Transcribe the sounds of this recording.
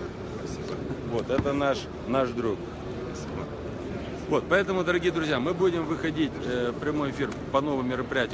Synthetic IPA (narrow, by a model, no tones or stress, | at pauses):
ɐsʲivo̞t̪ɛt̪ənaʂ | naʂd̪ɾuk̚ | ɐsʲibə̰ | vo̞t̪̚pɐɛt̪əmʊd̪əɾɐɡʲijəd̪ɾʊzʲjamɨbudʲɪmvɨxɐdʲitʲpɾʲɪmo̞jɪfʲir | pɐno̞vɨmːʲɪɾəpɾʲɪjætʲ